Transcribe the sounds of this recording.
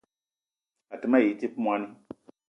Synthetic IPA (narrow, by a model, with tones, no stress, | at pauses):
a˨tɨ˨˦ma˦ji˨˦ti˦pmwa˦ni˦